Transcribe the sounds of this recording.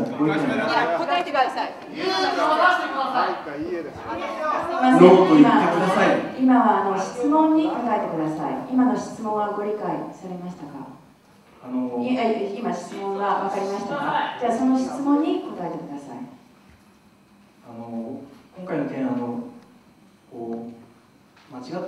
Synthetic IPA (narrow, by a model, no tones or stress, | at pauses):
ɡoi | t̪aet̪a | at̪ekɯd̪asa | imaot̪imakɯd̪asaiimaβaːno̞ɕi̥t͡sɨmõ̞ɲ̟ːiko̞t̪ae̞t̪e̞kɯ̟d̪asaḭimano̞ɕi̥t͡sɨmõ̞ɰ̃aɡo̞ɾʲikaisaɾʲemaɕ̬i̥t̪aka̰ | anoiaiimaɕi̥t͡sɨmõ̞ŋɡaβakaɾʲimaɕi̥t̪akad͡ʑaːso̞no̞ɕi̥t͡sɨmõ̞ɲ̟ːikot̪ae̞t̪e̞kɯ̟d̪asa̰ḭ | anokõŋkainot̪ẽano | koː | mat͡ɕiɡa